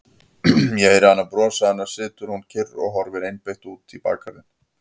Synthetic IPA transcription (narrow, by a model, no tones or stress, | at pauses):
jɛeɾhanːapɾɔːsaanːḁsɪːt̪ʏɾ̥huncʰɪrːɔ̰ɣɦɔɾvɛɾejnpejht̪uːt̪ʰipa̰ːkʰaɾɪn